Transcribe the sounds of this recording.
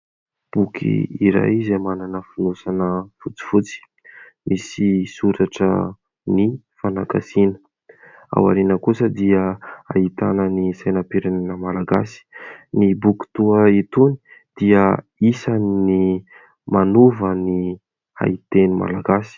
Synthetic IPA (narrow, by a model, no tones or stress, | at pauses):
b̥ukʰḭiɾa̰jzemananəfunusanəfut͡si̥fut͡si̥ | mʔisisuɾaʈ͡ʂə̰ | ni | fanaɡasinə̥ | a̰wa̰ɾinəkusəd̪iəa̰ɦit̪anənisajnapeɾaninəmalaɡa̰si̥nibuki̥t̪uəit̪uni̥d̪̥iə | isanni | manuvəni | a̰it̪enima̰laɡasi̥